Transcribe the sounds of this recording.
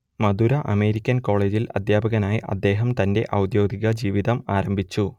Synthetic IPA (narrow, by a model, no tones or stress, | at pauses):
mɐd̪uɾɐʔɐme̞ːɾikʲːɐnko̞ːɭe̞ːd͡ʑilɐ̰d̪jaːbʱɐɣɐnaːjiʔɐ̰d̪ːe̞ːɦɐmt̪ɐnde̞ʔɐwd̪jo̞ːɡiɣɐd͡ʑiːʋiðɐmaːɾɐmbʱit͡ɕːu